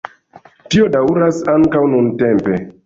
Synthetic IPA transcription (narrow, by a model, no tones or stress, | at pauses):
tio̞dauɾasaŋkawnuntempe̞